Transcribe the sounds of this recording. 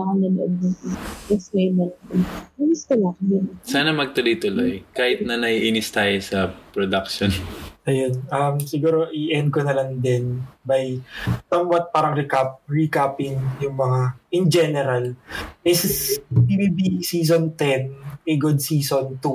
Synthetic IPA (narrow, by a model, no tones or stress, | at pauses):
akɐnɐnʊʔod̪̚ɛsnejnɐlɐʔod̪ɪnɪsk̪ɐlaŋjʊnsaːnɐmɐɡ̚t̪ʊlojt̪ʊlojkaːhɪt̪̚nɐnɐiʔinɪst̪aːjosɐpɾod̪ɐk̚ʃonʔɐjonʔɐmsɪɡuːɾo̞ʔɪʔɛnd̪̚konɐlɐŋd̪ɛnbajsɐmwat̪̚paːɾɐŋɾikap̚ɹikapɪŋjʊŋmɐŋaʔɪnd͡ʒɛnɛɾɐlʔɪspibibisiːs̬ont̪ɛnɪɡʊd̪̚siːsont̪u